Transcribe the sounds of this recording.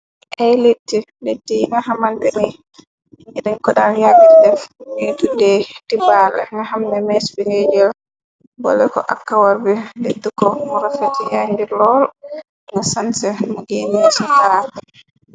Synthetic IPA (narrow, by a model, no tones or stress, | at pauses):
ʔɛjletːi | letːiŋɡahamantɛni | iɾiŋkɔɗanjaɡiddɛfmitudɛtibalɛ̰ŋɡaɦamnɛmɛsbiŋɡed͡ʒɛl | bɔ̰lɛkɔ̰ʔa̰kːawaɾbɛletːikɔmɔɾafatijaɲdiɾlɔl | ŋɡasansɛmɔɡenisɔtal